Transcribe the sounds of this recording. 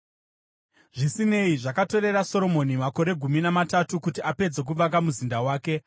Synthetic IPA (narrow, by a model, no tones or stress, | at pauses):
ʐisine̞iʐakato̞ɾe̞raso̞ɾo̞mo̞nimako̞ɾe̞ɡʱuminamatatukutiape̞d͡ze̞k̬uʋak̬amuzindawaːke̞